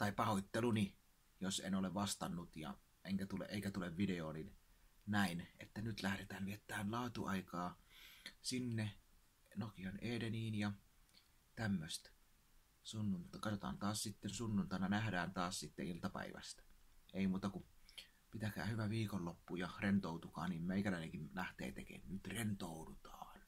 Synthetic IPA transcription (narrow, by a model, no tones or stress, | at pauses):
t̪ɑˑipɑhot̪ːeluni | josḛnoleʋʋɑst̪ɑnːut̪jɑ̰ | ʔeŋkæt̪ulḛʔeˑikæt̪uleʋʋideoːninnæinet̪ːænyt̪læhɾet̪æːnʋiet̪ːˑæːnlɑːt̪uɑikɑː | sinːe | nokioneːdeniːnjɑ | t̪æmːøst̪ | sunːunt̪kɑt̪ot̪ɑ̰ːnt̪ɑːssit̪ːensunːunt̪ɑˑnɑnæhdæːnt̪ɑːssit̪ːeilt̪ɑpæ̰ˑḭʋæ̰st̪æ̥eˑimuːt̪ɑku | pit̪ækæ̰ːhyʋæʋiːkolːopːujɑrent̪oˑut̪ukɑ̰ːnniːmmeikælæˑineŋkimlæht̪ḛːt̪ḛkḛːnnyt̪rent̪oudut̪ɑːn